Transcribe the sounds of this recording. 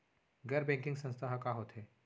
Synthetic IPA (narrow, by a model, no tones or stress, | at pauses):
ɡɐɾbɛ̃ŋkɪ̃ŋɡsə̃ñst̪ʰaɦakaɦot̪eː